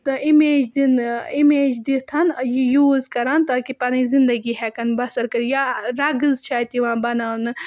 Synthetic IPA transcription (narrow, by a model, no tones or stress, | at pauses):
t̪imeːd͡ʒd̪inimeːd͡ʒd̪it̪ʰɐnjijuːzkɐɾaːnt̪aːkipɐnĩzind̪ɐɡiɦɛkɐnbɐsɐɾkɐɾjaɾɐɡɨzt͡ʃʰaːjt̪iʋãːbɐnaːnɨ